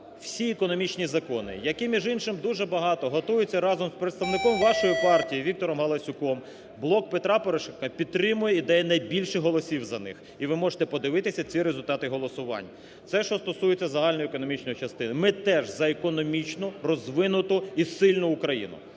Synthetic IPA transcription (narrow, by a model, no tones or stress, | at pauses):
w̥sʲiɛkɔnɔmʲit͡ʃnʲizɐkɔnɪ̰jɐkɪmʲiʒɪnʃɪmd̪uʒɛbɐɦɑt̪ɔɦɔt̪ujet͡sʲːɐɾɑzɔmspɾet̪st̪ɐʋnɪkɔmʋɑʃɔjipɑrtʲijiʋʲik̚t̪ɔɾɔmɦɐlˠɐsʲʊkɔm | blˠɔkpet̪ɾɑpɔɾeʃɛnkɐpʲid̪̚ɾɪmʊjɛid̪ɛjɛnɐjbʲilʲʃɪɦɔlˠɔsʲiwzɐnɪ̰x | iʋɪmɔʒe̥t̪ɛpɔd̪ɪʋɪt̪ɪsʲɐt͡sʲiɾezʊlʲt̪ɑt̪ɪɦɔlˠɔsʊʋɑ̰nʲːɐ | t̪sɛʃt͡ʃɔst̪ɔsujet͡sʲːɐzɐɦɑlʲnɔjʊekɔnɔmʲit͡ʃnɔjit͡ʃɐst̪ɪnɪmɪt̪ɛʒzɐekɔnɔmʲit͡ʃnʊrɔzʋɪnʊt̪ʊisɪlʲnʊːkɾɐjḭnʊ̰